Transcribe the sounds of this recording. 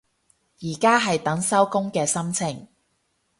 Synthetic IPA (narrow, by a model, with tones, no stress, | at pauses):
jiː˨˩kaː˥ɦɐ˨jt̪ɐ˨˥ŋsɐ˥wkʊ˥ŋkɛː˧sɐ˥mt͡sʰɪ˨˩ŋ